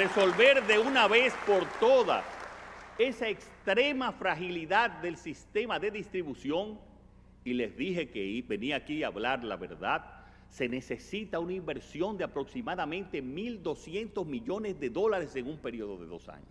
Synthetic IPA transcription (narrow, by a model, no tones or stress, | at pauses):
re̞so̞lβe̞ɾðe̞unaβe̞spo̞ɾt̪o̞ða̰ | e̞saekst̪ɾe̞mafɾaxiliðad̪̚ːe̞lsist̪e̞maðe̞ðist̪ɾiβusjo̞ŋ | ile̞zðiɦe̞keibe̞niakiaːβlaɾla̰βe̞̰ɾðað | se̞ne̞se̞sit̪aunaimbe̞ɾsjo̞nd̪eapɾo̞ksimaðamẽ̞nt̪e̞mild̪o̞sje̞nt̪o̞zmiʝo̞nezðe̞ðo̞laɾe̞se̞ŋumpe̞ɾio̞ðoðe̞̰ðo̞̰sa̰ɲos